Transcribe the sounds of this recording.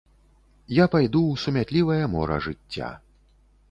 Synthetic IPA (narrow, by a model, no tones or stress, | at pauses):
japajd̪uwsumʲat̪ʲlʲivɐjɐmɔ̰ɾɐ̰ʐɨt͡sʲːa̰